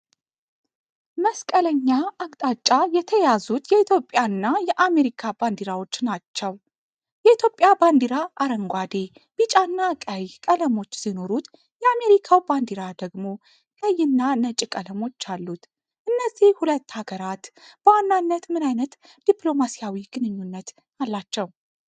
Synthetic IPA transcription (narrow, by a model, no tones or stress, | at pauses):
məskʼələɲːaakʼt̪ʼat͡ʃʼːajɛt̪ʰəjazut̪jɛit̪ʰjo̞pʼjanːajɛʔame̞ɾikʰaband̪iɾawo̞t͡ʃːnat͡ʃːəw | jɛit̪ʰjo̞pʼjaband̪iɾaʔaɾəŋɡʷad̪e̞ | b̥it͡ʃʼanːakʼajkʼələmo̞t͡ʃːsino̞ɾut̪ | jɛame̞ɾikʰawband̪iɾad̪əɡmo̞ | jəjːɨnːanət͡ʃʼkʼələmo̞t͡ʃːalːut̪ | ʔɨnːəzːihhulət̪ːhaɡəɾat̪b̥əwanːanːət̪mɨnajnət̪ | d̪̥ipʼlo̞masijawiɡ̥ɨnɨɲːunːət̪ | alːat͡ʃːɛw